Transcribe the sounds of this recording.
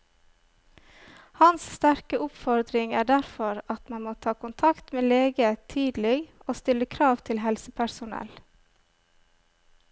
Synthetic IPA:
hɑnsst̪æɾkəʔʊpfɔɾd̪ɾɪŋæːɖæɾfɔɾɑt̪mɑnmoːt̪ʰɑːkʊnt̪ʰɑkt̪meːleːɡət̪ʰyːd̪l̩ɪɡoːst̪ɪləkʰɾɑːʋt̪ʰɪlɦɛlsəpʰæɾsʊnɛ̰l

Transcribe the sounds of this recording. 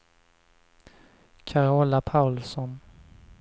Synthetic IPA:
kʰaɾoːlapʰaʊlsɔn

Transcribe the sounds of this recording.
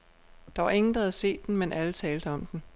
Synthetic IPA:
d̥ɑ̈ʋɑ̈e̝ŋn̩d̥ɑ̈hæð̩ˠse̝̰ːd̥ːen̩menʔælət͡sʰɛːld̥əɒ̽md̥en

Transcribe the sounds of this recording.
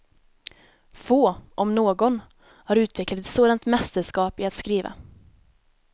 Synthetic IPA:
foːʔɔmnoːɡɔn | haɾʉ̟ːt̪vɛklat̪ɛt̪soːd̪ant̪mɛst̪əʂkɑːpɪat̪skɾiːva̰

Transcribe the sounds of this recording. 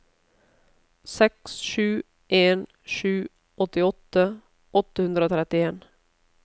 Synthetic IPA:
sɛksʂʉ̟ː | ʔeːn | ʂʉ̟ː | ʔɔt̪ːɪɔt̪ːə | ʔɔt̪ːəhɵnd̪ɾəoːt̪ʰɾɛt̪ːɪeːn

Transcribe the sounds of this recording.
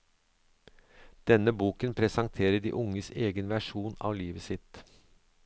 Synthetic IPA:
d̪̥ɛnəbuːkənpʰɾɛsɑŋt̪ʰeːɾəɖḭːʔʊŋəseːɡənʋæʂuːnɑ̰ːʋliːʋəsɪt̪

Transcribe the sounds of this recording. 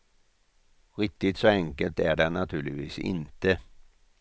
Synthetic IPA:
ɾɪk̚t̪ɪt̪sɔɛŋkəlt̪æɖɛnat̪ʰʉ̟ːɭɪvḭːsɪ̰nt̪ə

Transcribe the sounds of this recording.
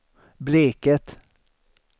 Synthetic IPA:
bleːkət̪

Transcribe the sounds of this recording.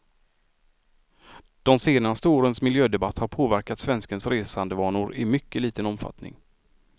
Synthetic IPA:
d̪̥ɔmseːnast̪əoːɾənsmɪljøːd̪ɛbat̪ːhaɾpʰoːvæɾkat̪svɛnskənsɾeːsand̪əvɑːnʊɾɪmʏkːəliːt̪ənɔmfa̰t̪nɪ̰ŋ

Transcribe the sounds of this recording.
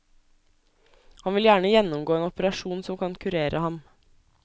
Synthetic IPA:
hɑnʋɪljæːɳəjɛnɔmɡoːeːnɔpəɾɑʃuːnsɔmkʰɑnkʰʉɾeːɾʔəhɑm

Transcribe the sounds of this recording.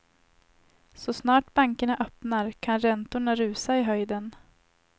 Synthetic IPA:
sɔsnɑːʈbaŋkəɳaʔœpnaɾkʰanɾɛnt̪ʊɳaɾʉ̟ːsaɪɦœjd̪ən

